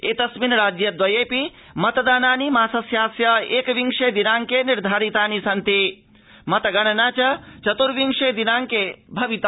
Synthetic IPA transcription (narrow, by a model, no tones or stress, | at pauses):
eːt̪ɐsminɐɾaːd͡ʒjɐd̪ʋɐjeːpi | mɐt̪ɐd̪aːnaːnimaːsɐsjaːsjɐeːkɐʋiŋʂeːd̪inaːŋkeːniɾd̪ʱaːɾit̪aːnisɐnt̪i | mɐt̪ɐɡɐɳɐnaːt͡ʃɐt͡ʃɐt̪uɾʋiŋʂeːd̪inaːŋkeːbʱɐʋit̪a